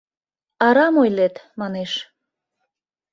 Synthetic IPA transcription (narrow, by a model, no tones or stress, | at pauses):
ɑɾɑmojlet̪mɑneʃ